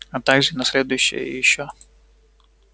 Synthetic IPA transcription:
ɐt̪aɡʐɨnɐsʲlʲed̪ʊjʊɕːɪ̰jə̰jɪɕːo

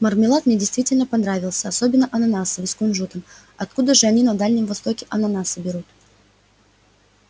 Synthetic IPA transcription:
mərmʲɪlˠat̪mnʲedʲɪjst̪vʲitʲɪlʲnəpɐnɾavʲɪlˠsʲəɐsobʲɪnːəʔɐnɐnasəvɨskʊnʐut̪əm | ɐt̪̚kud̪əʐɨɐnʲinɐd̪alʲnʲɪmvɐst̪o̞kʲɪʔɐnɐnasɨbʲɪɾut̪

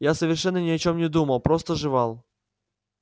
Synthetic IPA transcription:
jasəvʲɪrʂɛnːənʲɪɐt͡ɕomnʲɪd̪uməlˠpɾost̪əʐɨvɑlˠ

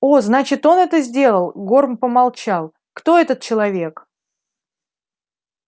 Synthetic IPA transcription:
oznat͡ɕɪt̪o̞nɛt̪əzʲdʲe̞lˠəlˠɡo̞rmpəmalˠt͡ɕalˠ | kt̪o̞ɛt̪ət̪̚t͡ɕɪlˠɐvʲe̞k

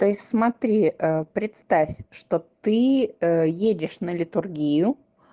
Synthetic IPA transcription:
t̪o̞ɪsʲt̪ʲsmɐt̪ɾʲiəpɾʲɪt̪st̪afʲʂt̪ot̪ɨ | jedʲɪʂnəlʲɪt̪ʊrɡʲijʊ

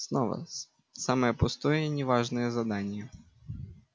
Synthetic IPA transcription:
snɔʋɐ̰ | saməjɛpʊst̪ɔjɛinʲɪʋaʐnɨjɛzɐd̪anʲɪjɛ

